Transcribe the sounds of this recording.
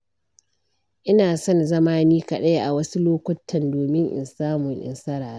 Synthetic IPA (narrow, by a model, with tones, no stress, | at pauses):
ʔɪ˦naː˨sɔ˦nzɐ˦maː˦niː˦kɐ˨ɗa˦jʔa˨wɐ˦su˦loː˦kʷɐ˦tʰːɐ˨ndoː˨mɪ˦ŋʔɪ̰˨nsaː˦mʊ˨ŋʔɪ̰˨nsɐ˦ɾaː˨ɾa˦